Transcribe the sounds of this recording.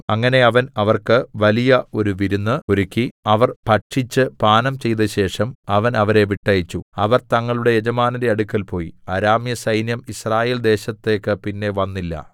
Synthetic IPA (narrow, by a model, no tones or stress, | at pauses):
ɐŋːɐne̞ɐʋɐnɐʋɐrkɨʋɐlijɐo̞ɾuʋiɾunːɨoɾukʲːiɐʋɐrpɐʈʂit͡ɕːɨpaːnɐmt͡ɕe̞jt̪ɐɕe̞ːʂɐmɐʋɐnɐʋɐɾe̞ʋiʈːɐjit͡ɕːuɐʋɐrt̪ɐŋːɐɭuɽe̞jed͡ʑɐmaːnɐdeɐɽukːɐlpo̞ːjḭɐɾaːmjɐsɐjnjɐmisraːje̞ːld̪e̞ːɕɐt̪ːe̞ːkːɨpinːe̞ʋɐnːilːɐ̰